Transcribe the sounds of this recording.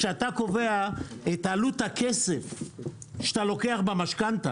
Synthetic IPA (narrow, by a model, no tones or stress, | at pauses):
ʃeat̪ako̞ve̞aet̪aluthakʰesef | ʃe̥t̪alo̞ke̞aχbamaʃkanta